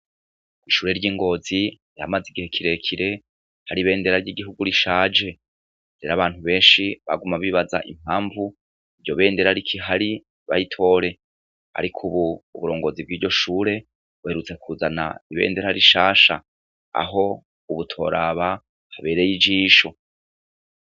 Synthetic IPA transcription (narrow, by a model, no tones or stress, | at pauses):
wiʃuːɾe̞ɾɟiːŋɡo̞ːzi | iɾa̰maziɡihe̞kʰiɾe̞kʰiɾe̞ | haɾiβe̞ːnde̞ɾaɾɟiɡiɦuɡuɾiʃaːd͡ʒe̞ | z̥eɾaβaːnhuβe̞ːnʃiβa̰ɡumaβiβaza̰ʔḭm̥haːɱvu | iɾɟo̞βe̞ːnde̞ɾaɾikʰiɦaɾi | βa̰jitʰo̞ɾe̞ | ha̰ɾikʰuβuːβuɾo̞ːŋɡo̞zib̚ɡiːɟo̞ʃuːɾe̞ | βuhe̞ɾut͡se̞kʰuzana̰iβe̞̰ːnde̞ɾaɾiʃaːʃa̰ | a̰ɦo̞ | uβutʰo̞̰ɾaβa | haβe̞ːɾe̞jid͡ʒiːʃo̞